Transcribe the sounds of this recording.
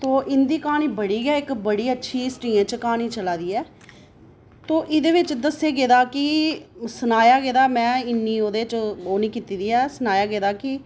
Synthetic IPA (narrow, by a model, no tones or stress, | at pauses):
t̪oːʔɪnd̪iːkaːniːbəɽiːɡɛːɪkbəɽiːətːʃʰiːsʈiːẽːt͡ʃkaːniːt͡ʃəlaːd̪iːɛː | t̪oːʔɪd̪eːʋɪt͡ʃd̪əseːɡeːd̪aːkɪsənaːjaːɡeːd̪aːmɛ̃ːɪnːiːoːd̪eːt͡ʃoːnĩːkiːt̪iːd̪iːɛːsənaːjaːɡeːd̪aːkɪ